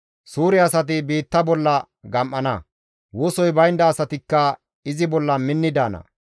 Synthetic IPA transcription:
suːɾɪɐsɐt̪̬ɪbiːt̪ːɐbɔlːɐ | ɡɐmʔːɐnɐ | wosɔjbɐjnd̪ɐːsɐt̪ɪkːɐ | ɪzɪbɔlːɐmɪnːɪd̪aːnɐ̰

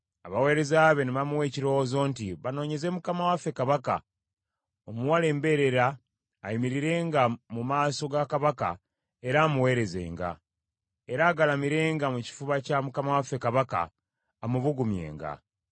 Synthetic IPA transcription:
aβawe̞ːɾe̞zaːβe̞neβamuwe̞ːciɾo̞wozo̞ːntiβano̞ːɲe̞ze̞mukamawafe̞kaβaka̰ | omuwale̞ːmbe̞ɾe̞ɾaː | jimiɾiɾe̞ːŋɡamumaːso̞ɡakaβaka̰ | e̞ɾaːmuwe̞ːɾe̞ze̞̰ːŋɡa̰ | e̞ɾaːɡalamiɾe̞ːŋɡamuci̥fuβacamukamawafe̞kaβaka̰ː | muβuɡumje̞̰ːŋɡa̰

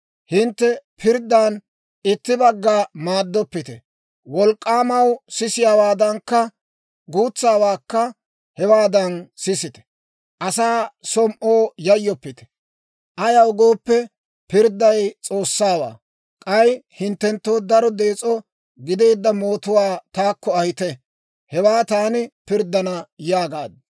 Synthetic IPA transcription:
hɪnt̪ːɛpʰɪɾd̪ːan | ɪt̪ːɪbɐɡːaːmaːd̪ːɔpːɪt̪ɛ | wɔlkʼːaːmɐwsɪsɪjaːwaːd̪ɐŋkːɐ | ɡuːt͡sːaːwaːkːɐ | hɛwaːd̪ɐnsɪsɪt̪ɛ̥ | ʔɐsaːsɔmʔoːjɐjːɔpːɪt̪ɛ̥ | ʔɐjɐwɡo̞ːpːɛ | pɪɾd̪ːɐjt͡sʼo̞ːsːaːwa̰ː | kʼɐjhɪnt̪ːɛnt̪ːo̞ːd̪ɐɾɔd̪e̞ːt͡sʼɔ | ɡɪd̪e̞ːd̪ːɐmo̞ːt̪ʊwaːt̪aːkːɔɐhɪt̪ɛ | hɛwaːt̪aːnɪpɪɾd̪ɐnɐjaːɡaːd̪

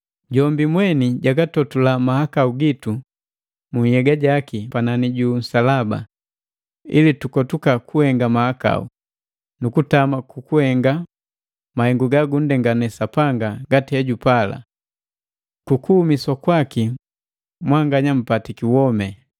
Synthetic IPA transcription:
ɟɔmbimwɛniɟaɡatɔtulamahakauɡitu | muɲhɛɡaɟakipananiɟuːn̩salaba̰ | ḭlitukɔtukakuhɛŋɡamahaka̰ṵ | nukutamakukuhɛŋɡa | mahɛŋɡuɡaɡun̩dɛŋɡanɛsapaŋɡaɡatihɛɟupala̰ | kukuhumiswakwaki | mwaŋɡaɲam̩patikiwɔmɛ

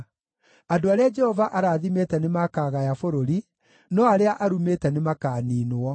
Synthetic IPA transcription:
adoaɾead͡ʒɛhɔvaʔaɾaːðimetɛnemakaːɣajafoɾoɾi | nɔaɾeaʔaɾumeːtɛnemakaːniːnoɔ

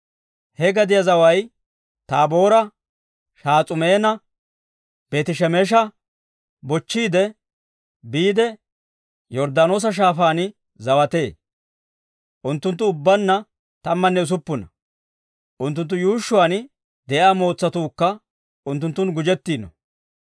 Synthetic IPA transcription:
hɛɡɐd̪ɪjɐzɐwɐj | t̪aːbo̞ːɾɐ | ʃaːt͡sʼʊme̞ːnɐ | b̥eːt̪ɪʃɛmeːʃ̬ɐ | bɔt͡ʃːiːd̪ɛ | biːd̪ɛ | jɔɾd̪aːno̞ːs̬ɐʃ̬aːfaːn | zɐwɐt̪e̞ː | ʔʊnt̪ːʊnt̪ːʊʊbːɐnːɐ | t̪ɐmːɐnːɛʊs̬ʊpːʊnɐ | ʔʊnt̪ːʊnt̪ːʊjuːʃːʊwaːn | d̪ɛʔaːmo̞ːt͡sːɐt̪uːkːɐ | ʊnt̪ːʊnt̪ːʊnɡʊd͡ʒɛt̪ːiːnɔ̰

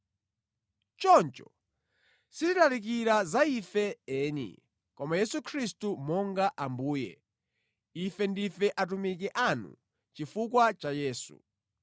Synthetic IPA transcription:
t͡ʃɔnt͡ʃɔ̰ | sititalik̬iɾazaifɛɛːnḭ | kɔmajɛsukʰɾistumɔŋɡaʔambuːjɛ̰ | ifɛndifɛʔat̬umikɛʔanṵ | t͡ʃifukwat͡ʃajɛːsṵ

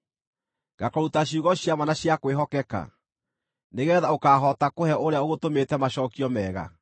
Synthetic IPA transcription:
ɡ̥akɔɾutaɕjuːɣɔɕjamanaɕjakweɦɔkɛka̰ | neɣɛːðaokaːɦɔtakohɛʔoɾeaoɣotometɛmaɕɔːkiɔmɛːɣa̰

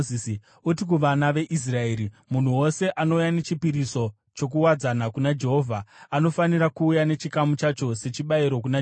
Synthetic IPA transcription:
isi | utik̬uʋanaʋe̞ʔis̬rae̞ːɾi | mun̤uwo̞se̞ʔano̞ujane̞t͡ʃipiɾiso̞ | t͡ʃo̞k̬uwad͡zanakunad͡ʒe̞ɦovʱaano̞faniɾakuːjane̞t͡ʃikamut͡ʃat͡ʃo̞se̞t͡ʃiɓaiɾo̞k̬una

